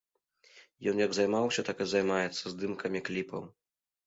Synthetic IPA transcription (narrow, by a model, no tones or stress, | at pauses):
jɔnjɐɡzajmawsʲɐt̪akɨzajmajɛt̪sːɐzd̪ɨmkʰɐmʲiklʲipɐ̰w